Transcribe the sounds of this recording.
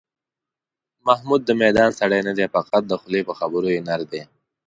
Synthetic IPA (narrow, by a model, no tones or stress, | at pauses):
mahmud̪̚ːəmed̪ɑːnsaɽejnad̪efaqat̪̚d̪əxʊlepəxabəɾojenaɾd̪e